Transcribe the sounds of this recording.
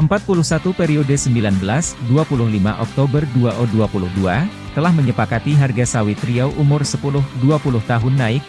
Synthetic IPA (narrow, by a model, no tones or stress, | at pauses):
ʔəmpat̪̚pulʊhsat̪upeɾiodəsəmbilanbəlasduapulʊhlima̰ʔɔk̚t̪obərduaʔɔduapulʊhdua | t̪əlahməɲəpakat̪iɦarɡasawit̪ɾiawʔumʊrsəpulʊhduapulʊht̪aɦʊnːaɪk̚